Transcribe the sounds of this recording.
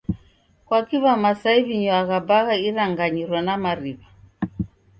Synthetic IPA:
kwakiβamasaiβiɲɔaɣabaɣaiɾaŋɡaɲiɾwanamaɾiβa

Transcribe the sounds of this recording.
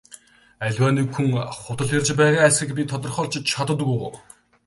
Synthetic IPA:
æɮʲwaːniːkxuŋχʊt̪ə̆ɮxert͡ɕpæːʁaːæsʲĭkpʲit̪ʰɔt̪̬ɞ̆rχɔːɮt͡ɕɪ̆t͡ɕʰat̪ə̆t̪pujʁoː

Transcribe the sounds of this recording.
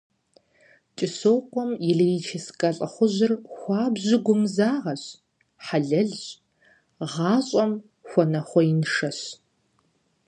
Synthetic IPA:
t͡ʃʼɪsoːqʷɔmjɪɮriːt͡ʃʰeskʼɐɬʼɐχʷʊʑɪrxʷɑːbʑɪɡʷʊmzaːʁɐɕ | ħaɮɐɮɕ | ʁɑːɕʼɔm | xʷɔnɐχʷɔinʂɐɕ

